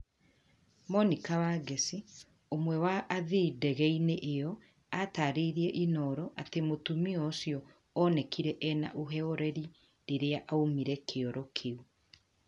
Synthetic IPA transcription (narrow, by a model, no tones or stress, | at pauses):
mɔnikawaːɡesi | omwɛwaʔːðidɛɣɛineʔejɔ | ataːɾeiɾiɛʔinɔːɾɔʔatemotumiɔsjɔ | ɔnɛkiɾɛʔɛna̰ʔoɦɛɔɾɛɾi | ɾeɾeaʔaomiɾɛkʰeɔɾɔkʰeu